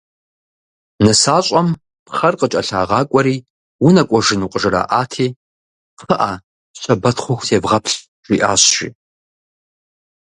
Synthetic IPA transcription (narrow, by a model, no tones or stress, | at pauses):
nɨsaːɕʼɐm | pχɐrqət͡ʃʼɐɬaːʁɑːkʷʼɔɾiː | wunɐkʷʼɔʒɨnuːqʼəʒɨɾa̰ːʔaːtʰiː | qʰəʔaː | ɕʷɐbɐtχʷʊxʷzeːbʁɐpʰɬ | ʒ̥iːʔaːɕʒḭː